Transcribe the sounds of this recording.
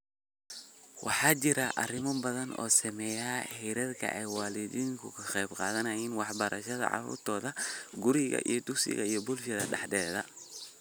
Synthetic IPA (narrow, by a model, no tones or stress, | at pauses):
wɑħɑːt͡ʃɪɾɐʔɐrɪmɐbɐðɐnɔ̰ːsɐmɛjaːhɛɾɐðkʰɐ̰ʔɛjwɑːlɪdiːŋkʰʊkʰɐχɛjbqɑ̰ːðɐnɐjiːnwɑħbɐɾɐʃɐðɐ̰ʕɑ̰rṵːrt̪ʰɔːðɐɡʊɾɪɣɐ̰ʔijɔd̪ʊksɪ̰ɣɐ̰ijɔbʊlʃɐðɐɖɑħd̪ɛːðɐ